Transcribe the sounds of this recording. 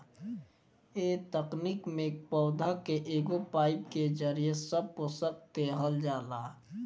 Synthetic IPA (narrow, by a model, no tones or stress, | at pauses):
eːt̪əknikmẽk̚pɔːd̪ʱakeʔeːɡopaːɪpked͡ʒəɾijesəb̚ɦosək̚t̪eɦəld͡ʒaːlaː